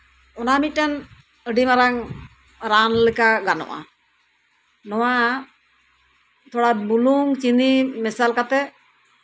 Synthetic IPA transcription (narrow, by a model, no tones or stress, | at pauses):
ɔnamic̚ʈan | əɖimaɾaŋ | ɾanlikaɡanɔ̰ʔa̰ | nɔwa | t̪ɔɽabuluŋt͡ʃinimɛsalkat̪ɛ